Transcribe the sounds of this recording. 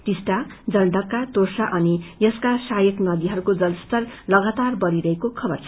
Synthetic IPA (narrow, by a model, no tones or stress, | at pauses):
ʈisʈad͡zʌlɖʌkːat̪orsaʔʌnijʌskasajʌknʌd̪iɦʌɾukod͡zʌlst̪ʌrlʌɡat̪arbʌɾiɾʌɦekokʰʌbʌrt͡sʰ